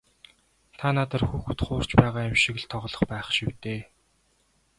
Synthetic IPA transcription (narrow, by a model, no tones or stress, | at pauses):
t̪ʰanat̪ə̆rxuxut̪χʊːr̥t͡ɕpæːʁaːæmʃɪ̆kɘ̆ɮt̪ʰːɔʁɮɞ̆χpæːχʃiwt̪eː